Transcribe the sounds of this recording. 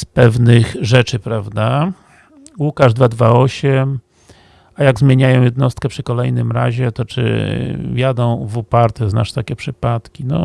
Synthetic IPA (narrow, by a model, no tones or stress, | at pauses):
spɛvnɘxʐɛt͡ʂɘpɾavd̪a | wukaʐd̪vad̪vaɔɕɛm | ajaɡzmʲjeɲajɔ̃w̃jɛd̪nɔst̪kɛpʂɘkɔlɛjnɘmɾa̰ʑɛt̪ɔt͡ʂɘ̰vjad̪ɔ̃w̃vɔpaɾt̪ɛzna̰ʂt̪akʲɛpʂɘpat̪kʲinɔ̰